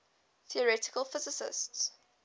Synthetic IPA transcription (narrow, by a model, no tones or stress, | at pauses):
θiəɹɛtɪ̥kəlˠfɪzɪsɪ̰sts